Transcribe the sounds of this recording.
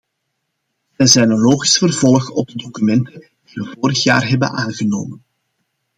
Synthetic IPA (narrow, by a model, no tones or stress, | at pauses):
ʋɛjzɛjnənloːɣisfərvɔlˠxɔ̰b̚dədokymɛntən | d̥iʋəvoːɾəxja̰ːrɦɛbə̰nʔaːnɣəno̰ːmən